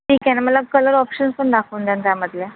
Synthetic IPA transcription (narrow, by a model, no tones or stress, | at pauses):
ʈiːkaneməlakələɾɔpɕənspəɳɖ̪akʰəːnd̪jant̪jaməd̪le